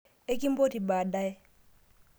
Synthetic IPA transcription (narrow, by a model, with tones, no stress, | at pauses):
e˦ki˦m˦bo˦ti˨baː˨da˦e˦